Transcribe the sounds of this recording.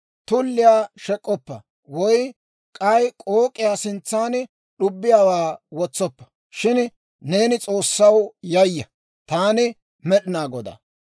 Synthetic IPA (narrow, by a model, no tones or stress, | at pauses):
t̪ʊlːɪjaːʃɛkʼːɔpːɐ | wɔj | kʼɐjkʼoːkʼɪjaːsɪnt͡sːaːn | ɗʊbːɪjaːwaːwɔt͡sːɔpːɐ̥ | ʃɪn | ne̞ːnɪt͡sʼo̞ːsːɐwjɐjːɐ | t̪aːnɪ | mɛɗɪnaːɡɔd̪ɐ̰